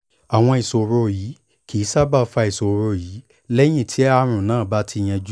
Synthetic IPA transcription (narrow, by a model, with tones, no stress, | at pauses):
a˨w̃ɔ̃˧i˨so˨ɾo˧˨jiː˨˦ | kʰi˨˦sa˦ba˦˨fa˧i˨so˨ɾo˧jiː˨˦ | lɛ˦j̃ĩ˦˨tʰi˨˦a˦˧ɾ̃ũ˨nãː˦˨ba˨˦tʰi˧˦˧j̃ɛ̃˧d͡ʒu˦